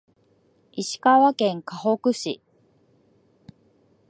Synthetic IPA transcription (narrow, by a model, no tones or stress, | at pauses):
iɕi̥kaβakẽ̞ŋkaɦo̞kɯ̟ɕḭ